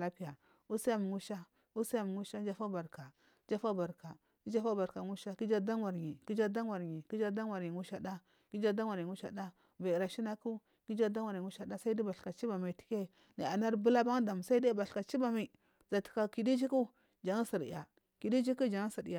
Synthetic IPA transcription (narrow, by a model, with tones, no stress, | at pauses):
la˦pi˦ja˨ | u˦si˦ja˦m˨ŋu˦ʃa˦ | u˦si˦ja˨m˨ŋu˦ʃa˦d͡ʒa˦fa˦ba˨ɾka˨ | d͡ʒa˦fa˦ba˨ɾka˨ | ki˦d͡ʒa˦fa˦ba˨ɾka˨ŋu˦ʃa˦ki˦d͡ʒa˦da˦ŋ˦wa˨ɾɲi˨ki˦d͡ʒa˦da˦ŋwa˨ɾɲi˨ki˦d͡ʒa˦da˦ŋ˦wa˨ɾɲi˨ŋu˦ʃa˦da˦ | ki˦d͡ʒa˦da˦ŋwa˨i˨ŋu˦ʃa˦da˦ | va˨i˨ɾa˨ʃi˦na˦ku˦ | ki˦d͡ʒa˦da˦ŋwa˨ɾi˨u˦ʃa˦da˦sa˦i˦da˦ba˨ɬka˨t͡ʃi˦ba˨ma˨ti̥˦ke˦ | ni˨a˨na˦ɾbu˦la˦ba˦ŋda˨m˨sa˦i˦da˦ba˨ɬka˨t͡ʃi˦ba˨ma˨ | za˨ti̥˨ka˦˨ki˨di˦d͡ʒi˦ku˦ | d͡ʒa˨ŋa˦si˨ɾḭ˨a̰˨ | ki˨di˦d͡ʒi˦ku˦d͡ʒa˨ŋ˦sa˨dḭ˨ja˨